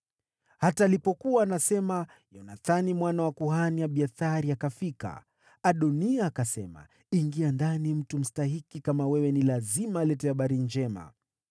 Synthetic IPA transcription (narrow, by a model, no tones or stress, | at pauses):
hataːlipɔkuwaːnasɛma | jɔnaθanimwanawakuhaniaɓiaθaɾiakafika̰ | aɗɔniaːkasɛ̰ma̰ | iŋɡiandanim̩tum̩staɦikikamawɛwɛnilazimaːlɛtɛaɓaɾind͡ʒɛma̰